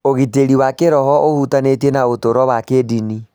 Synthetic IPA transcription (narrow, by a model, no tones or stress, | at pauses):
oɣiteɾiwakeɾɔhɔʔohutanetienaotoɾɔβwakedini